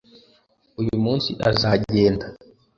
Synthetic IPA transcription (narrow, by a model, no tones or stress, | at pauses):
ujumuːnsiʔazaɟe̞ːnda